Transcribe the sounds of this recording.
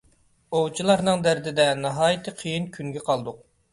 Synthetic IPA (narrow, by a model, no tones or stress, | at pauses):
owt͡ʃʰilˠɑɾnɨŋd̪æɾd̪ɪd̪ɛnɑɦɑːjit̪ʰɨqʰijinkʲʰyŋɡʲɛqʰɑlˠd̪ʊq̚